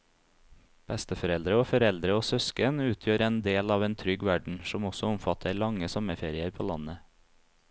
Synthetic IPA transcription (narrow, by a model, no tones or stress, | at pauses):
b̥ɛst̪əfɔɾɛld̪ɾəoːfɔɾɛld̪ɾəoːsœskənʉːt̪ʰjøːɾɛːnd̪eːlɑːʋeːnt̪ʰɾʏɡʋæɖɳ̩sɔmɔsɔʊmfɑt̪ʰəɾɭɑŋəsɔməɾfeːɾɪəɾpʰoːlɑnə